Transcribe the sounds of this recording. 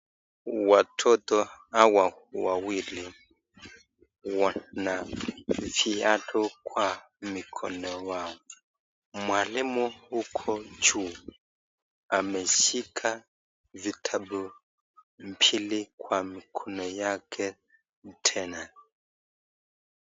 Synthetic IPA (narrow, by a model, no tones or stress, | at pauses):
watʰɔt̪ɔawawawili | wanaviatʰɔkwa | mikʰɔ̰nɔwaɔ | mwalimuhukʰɔt͡ʃu | amɛʃikʰa | vitʰabu | m̩pʰilikwamikʰɔnɔjakʰɛ | tʰɛna